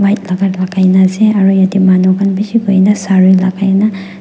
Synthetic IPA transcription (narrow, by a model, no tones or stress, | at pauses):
majt̚laɡatlakʰajnazeaɾɔjadimanɔɡanbisiɡojnasaɾijlakʰajna